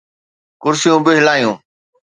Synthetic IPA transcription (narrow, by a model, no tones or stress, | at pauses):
kʊɾsɪjũːbɪɦɪlaːjũː